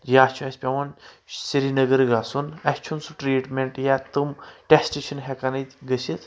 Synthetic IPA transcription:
jaːst͡ʃʰuɐsʲpʲaʋɐn | siɾinɐɡəɾɡasunɐsʲt͡ʃʰunsuʈɾiːʈmʲeɳʈjat̪ɨmʈʲesʈeʃʰɐnɦekanɨt̪ʲɡəsit̪

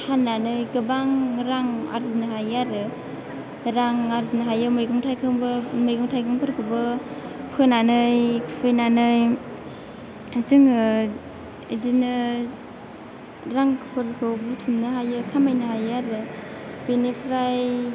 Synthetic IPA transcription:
hanːanɯjɡɯbaŋɾaŋa̰ɾzinɯɦajaɾɯ | ɾaŋaɾzinɯɦajɯmɯjɡɯŋtʰajkʰɯŋbmɯjɡɔŋtʰajkʰɯŋpʰɯɾkʰɯbɯ | pʰɯnanɯjkʰpʰɯjnanɯj | azɯŋɯ | idinɯ | ɾaŋkʰpʰɯɾkʰɯwbutʰumnɯɦajɯkʰamajnɯhajaɾɯ | b̥enepʰɾaj

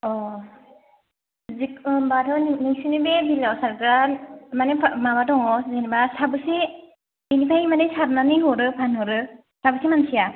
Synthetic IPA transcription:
ɔ | zikbatʰɔnniŋsinibebilawsaɾkɾamanepʰmabadɔŋɔzenbasabɯse | binipʰajmadejsaɾnanɯɦɔɾɯpʰanɦɔɾɯ | sabɯsemansʰija

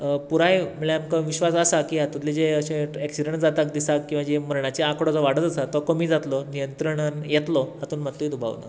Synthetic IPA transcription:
puɾajm̤əɭɛamkaʋiɕʋasəsakiːɦat̪ut̪led͡ʑeəɕẽeksiɖeɳʈd͡zat̪ak̚d̪isakkːĩw̃ʋad͡ʑeməɾɳat͡ɕeakɽɔd͡zɔʋaɽət̪əsat̪ɔkəmiːd͡zat̪lɔnijənt̪ɾəɳanjet̪lɔɦat̪uːnmat̪ːuid̪ubʱa̰ʋla̰

